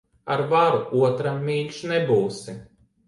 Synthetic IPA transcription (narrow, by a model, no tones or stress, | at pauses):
aɾvaɾuuɔt̪ɾamːʲiːlʲʃnɛbuːsi